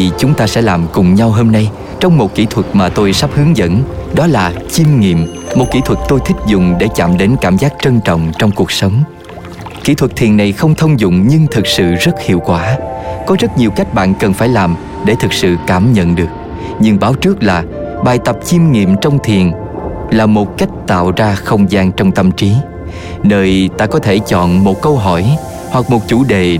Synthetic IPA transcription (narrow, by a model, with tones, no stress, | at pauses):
i˨˩t͡ɕʊ˨˦ŋ͡mt̪aː˧sɛ̰˧˥laː˨˩mkʊ˨˩ŋ͡mɲa˧wɦo˧mna˧j | t͡ɕɔ˧wŋ͡mmo˨˩t̚kḭ˧˩˥t̪ʰwə˨˩t̚maː˨˩t̪o˧jsa˦˥p̚hɨ˨˦əŋzə̰˧˥nɗɔ˨˦laː˨˩t͡ɕi˧mŋḭ˧˨əm | mo˨˩t̚kḭ˧˩˥t̪ʰwə˨˩t̚t̪o˧jt̪ʰï˦˥k̟̚zʊ˨ŋ͡mɗe˧˩t͡ɕa̰ː˧˨mɗe˨˦nkaː˧˩mzaː˦˥k̚t͡ɕə˧nt͡ɕɔ̰˧˨wŋ͡mt͡ɕɔ˧wŋ͡mku˨˩ək̚sə˨˦wŋ͡m | kḭ˧˥t̪ʰwə˨˩t̚t̪ʰi˨˩ənːa˨˩jxə˧wŋ͡mt̪ʰə˧wŋ͡mzʊ̰˧˨ŋ͡mɲɨ˧ŋt̪ʰɨ˨˩k̚sɨ̰˧˨zə˦˥t̚hḭ˧˨əwkwaː˧˩kɔ˨˦zə˦˥t̚ɲi˨˩əwka˦˥jk̟̚ɓa̰ː˧˨nkə˨˩nfaː˧˩jlaː˨˩m | ɗe˧˩t̪ʰɨ˨˩k̚sɨ̰˧˨kaː˧˩mɲə̰˧˨nɗɨ˨˩ək̚ | ɲɨ˧ŋɓaː˨˦wt͡ɕɨ˦˥k̚laː˨˩ | ɓaː˨˩jt̪ə˨˩p̚t͡ɕi˧mŋḭ˧˨əmt͡ɕɔ˧wŋ͡mt̪ʰi˨˩ən | laː˨˩mo˨˩t̚ka˦˥jk̟̚t̪a̰ː˧˨wzaː˧xə˧wŋ͡mzaː˧ŋt͡ɕɔ˧wŋ͡mt̪ə˧mt͡ɕi˨˦ | nəː˨˩jt̪aː˧kɔ˨˦t̪ʰe˧˩t͡ɕɔ̰˧˨nmo˨˩t̚kə˧wɦɔ˧˩j | hwa˨˩k̚mo˨˩t̚t͡ɕu˧˩ɗe˨˩